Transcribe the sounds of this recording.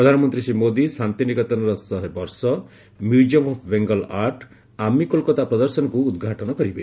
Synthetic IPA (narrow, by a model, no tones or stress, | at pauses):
pɾɔd̪ʱanɔmɔnt̪ɾisimod̪isant̪inikɔt̪ɔnɔɾɔsɔɦebɔɾsɔ | mjuɖiɔmɔpʰbeŋɡɔlaɾʈ | amikolkɔt̪apɾɔd̪ɔɾsɔnɔkuːd̪ɡʱaʈɔnɔkɔɾibe